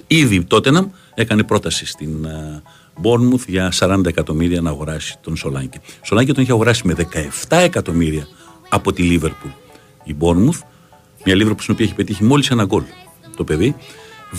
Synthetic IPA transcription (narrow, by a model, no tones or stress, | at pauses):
iðit̪o̞t̪enɐm | e̞kɐne̞pɾo̞t̪ɐsist̪in | bo̞ɾnmuθʝɐsɐɾɐnd̪ɐekɐt̪o̞miɾiɐnɐːɣo̞ɾɐsi̥t̪o̞nso̞lɐɲɟeso̞lɐɲɟet̪oniçiɐɣo̞ɾɐsime̞ðe̞kɐe̞ft̪ɐe̞kɐt̪o̞miɾiɐː | po̞t̪ilive̞ɾpul | ibo̞ɾmuθ | mɲɐliveɾpulsinoiɐeçipe̞t̪içimo̞lise̞nɐɡo̞l | t̪o̞pe̞ði